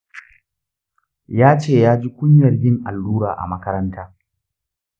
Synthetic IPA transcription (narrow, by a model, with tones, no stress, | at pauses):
jaː˦t͡ʃeː˦˨jaː˦d͡ʒi˦kʷʊ˦ɲjɐ˨rbɪ˦˨ŋʔa̰˨lːuː˦ɾaː˨ʔa̰˨mɐ˦kɐ˦ɾɐ˦ntʰaː˦